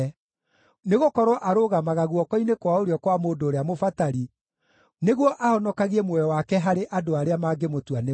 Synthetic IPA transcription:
neɣokɔɾwɔʔaɾoɣamaɣaɣuɔkɔinekwaoɾeɔkwamoːdoːɾeamofataɾi | neɣwɔʔahɔnɔkaɣiɛmwɔjɔwakɛɦaɾeʔadoaɾeamaɡemotwane

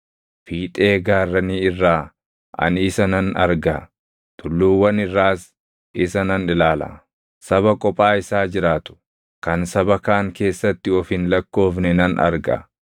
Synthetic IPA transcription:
fiːt̪ʼe̞ːɡaːrːɐniːɪrːaː | ʔɐ̰niːsɐnɐnɐ̰ɾɡɐ | t̪ʰʼʊlːuːwɐnɪrːaːs | ɪsɐnɐnɪlaːlɐ̰ | sɐβɐkʼɔpʼaːɪsaːd͡ʒɪɾaːt̪ʊ̥ | kɐnsɐbɐkaːŋke̞ːsːɐt̪ːɪɔfɪnlɐkːo̞ːfnɛnɐnʔɐ̰ɾɡɐ̰

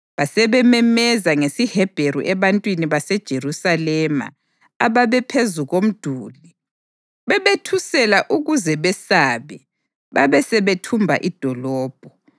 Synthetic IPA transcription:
βasɛβɛmɛmɛzaŋesihɛb̥ʱeɾṵʔɛβantʼwiniβasɛd̥ʒ̥ʱerusalɛma̰ | aβaβɛpʰezuɣom̩d̥ʱuːli | βɛβetʰusɛlaʔuɣuzɛβɛsaːβɛ | βaβɛsɛβetʰumbʱa̰ʔid̥ʱɔlɔːb̥ʱɔ

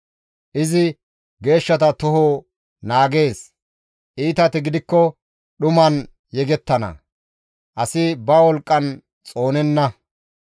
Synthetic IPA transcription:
ʔɪzɪ | ɡe̞ːʃːɐt̪ɐt̪ɔɦoː | naːɡe̞ːs | ʔiːt̪ɐt̪ɪɡɪd̪ɪkːɔ | ɗʊmɐn | jɛɡɛt̪ːɐnɐ̰ | ʔɐsɪbɐwɔlkʼːɐn | t͡sʼo̞ːnɛnːɐ

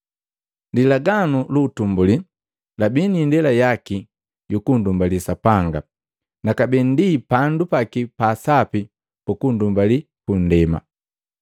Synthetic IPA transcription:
ndilaɡanuluːtumbuli | labinindɛlajaki | jukundumbalisapaŋɡa | nakabɛndipandupakipaːsapi | pukundumbali | kun̩dɛma̰

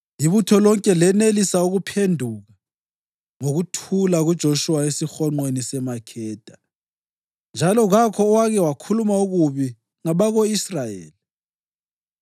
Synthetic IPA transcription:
jiβutʰɔlɔŋkʼɛlɛnelisauɣupʰendʱuɣa | ŋoɣutʰulaɣud̥ʒ̥ʱoʃuwaesixɔŋ͡ǃwenisɛmakʰɛːd̥ʱa | nd͡ʒʱalɔɣakʰɔːwaɣɛwakʰulumauɣuβi | ŋaβaɣoisrajḛːli

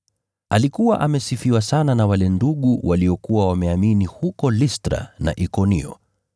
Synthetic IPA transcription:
alikuwa̰ʔamɛsifiwasananawalɛnduɠuwʔaliɔkuwawamɛaminihukɔlistɾa̰na̰ʔikɔnḭɔ̰

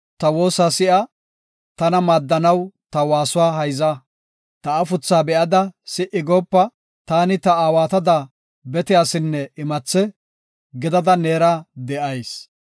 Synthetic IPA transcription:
t̪ɐwo̞ːsaːsɪʔɐ | t̪ɐnɐmaːd̪ːɐnɐwt̪ɐwaːsʊwaːɦɐjzɐ | t̪ɐːfʊt͡sːaːbɛʔɐd̪ɐsɪʔɪɡoːpːɐ | t̪aːnɪt̪ɐaːwaːt̪ɐd̪a | bɛt̪ɪjaːsɪnːɛɪmɐt͡sːɛ | ɡɪd̪ɐd̪ɐne̞ːɾaːd̪ɛʔɐjs

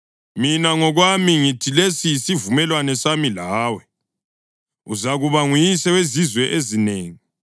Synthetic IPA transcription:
minaŋɔɣwamiŋitʰilesijisivumɛlwanɛsamilaːwɛ | uzaɣuβaŋujisɛwezizwɛʔezineːŋi

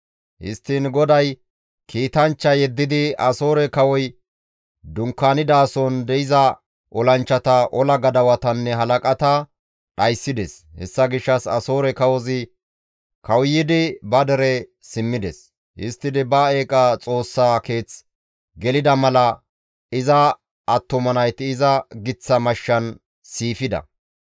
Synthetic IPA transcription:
ʔɪ̰st̪ːinɡɔd̪ɐj | kiːt̪ɐnt͡ʃːɐjɛd̪ːɪd̪ɪɐso̞ːɾɛkɐwɔj | d̪ʊŋkːaːnɪd̪aːsɔnd̪ɛɪzɐ | ʔɔlɐnt͡ʃːɐt̪ɐʔɔlɐɡɐd̪ɐwɐt̪ɐnːɛɦɐlɐkʼɐt̪ɐ | ɗɐjsːɪd̪ɛs | hɛ̰sːɐɡɪʃːɐsɐ̰so̞ːɾɛkɐwɔzɪ | kɐwʊjːɪd̪ɪbɐd̪ɛɾɛ | sɪmːɪd̪ɛs | ʔɪst̪ːɪd̪ɪbɐe̞ːkʼɐt͡sʼo̞ːsːaːke̞ːt͡s | ɡɛlɪd̪ɐmɐlɐ | ɪzɐ | ʔːt̪ːʊmɐnɐjt̪ɪːzɐɡɪt͡sːɐmɐʃːɐn | siːfɪd̪ɐ̰

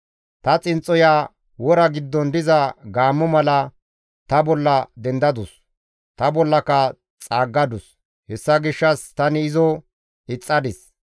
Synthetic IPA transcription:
t̪ɐt͡sʼɪnt͡sʼːɔjaː | wɔɾɐɡɪd̪ːɔnd̪ɪzɐɡaːmːɔmɐlɐ | t̪ɐbɔlːɐd̪ɛnd̪ɐd̪ʊs | t̪ɐbɔlːɐkɐ | t͡sʼaːɡːɐd̪ʊs | hɛsːɐɡɪʃːɐst̪ɐnɪɪzɔ | ɪt͡sʼːɐd̪ɪs

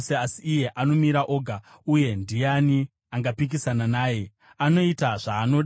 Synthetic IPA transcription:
seasiːje̞ʔano̞miɾaʔo̞ːɡʱa | uje̞ndijani | aŋɡapik̬isananaːje̞ | ano̞itaʐ̥aːno̞ɗ

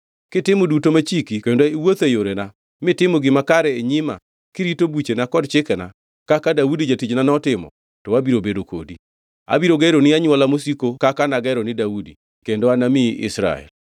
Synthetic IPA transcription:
kɪtɪmodutomat͡ʃikikendoiwot̪ejoɾena | mɪtɪmɔɡɪmakaɾɛeɲɪma̰ | kɪɾitobut͡ʃenakɔdt͡ʃɪkɛna̰ | kakadaudid͡ʒatid͡ʒnanɔtɪmɔ̰ | tɔabiɾobedoko̰di | a̰biɾoɡeɾonɪaɲwalamosikokakanaɡɛɾonɪdaudi | kendoanamɪʔɪ̰sɾa̰ɛ̰l

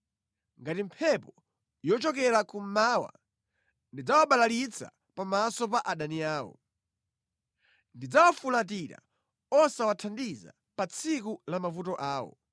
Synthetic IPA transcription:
ŋɡatim̩pʰɛpɔ | jɔt͡ʃɔkɛɾakum̩maːwa̰ | ndid͡zawaɓalalit͡sʰa̰ | pamasɔp̬aʔaɗaniaːwɔ̰ | ndid͡zawafulat̬iɾa̰ | ɔsawatʰandiza̰ | pat͡sʰikulamafutɔʔaːwɔ̰

